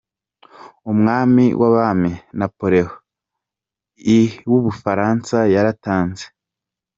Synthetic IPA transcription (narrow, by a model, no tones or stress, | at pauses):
umŋaːmḭwʔaβamenapoɾeho | iwuβufaɾaːnsajaɾataːnze